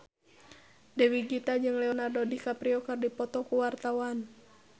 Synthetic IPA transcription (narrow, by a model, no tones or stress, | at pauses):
dɛwiɡit̪ad͡ʒɨŋlɛɔnadɔdikapɾiɔkɨrdipɔt̪ɔkuwart̪awan